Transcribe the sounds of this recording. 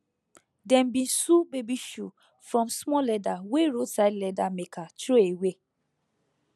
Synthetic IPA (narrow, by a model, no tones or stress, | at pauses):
dɛ̃mbĩn̩subebiʃu | fɹɔ̃msmɔlɛdaweɾosaɪdlɛdamekʰatɾoewe